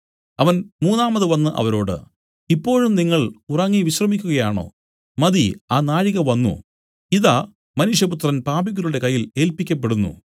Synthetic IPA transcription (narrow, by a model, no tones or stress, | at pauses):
ɐʋɐnmuːnːaːmɐðɨʋɐnːɨʔɐ̰ʋɐɾo̞ːɽɨ̰ | ipːo̞ːɻumniŋːɐɭurɐŋːiʋiɕrɐmikʲːuɣɐjaːɳo̞̰ː | mɐðiaːnaːɻiɣɐʋɐnːṵ | iðaː | mɐnuʂjɐput̪rɐnpaːbiɣuɾuɽe̞kɐjːile̞ːlpikʲːɐp̬ːe̞ɽunːṵ